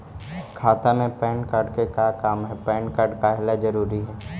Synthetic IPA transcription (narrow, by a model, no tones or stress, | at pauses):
kʰaːt̪amẽpɛ̃ːɳʈkaːɾɖkekakaːmɦɛpɛ̃ːɳʈkaːɖkaɦɪlad͡ʒɐɾuːɾiɦɛː